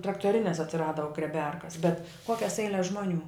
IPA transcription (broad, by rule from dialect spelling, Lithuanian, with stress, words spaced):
trɐktoːˈrʲɪnʲɛs ɐtʲsʲɪˈrɑːdɐ ɡrʲiɛˈbʲɛrkɐs bʲɛt ˈkoːkʲɛs ˈɛɪlʲɛs ˈʒmoːˌnʲuː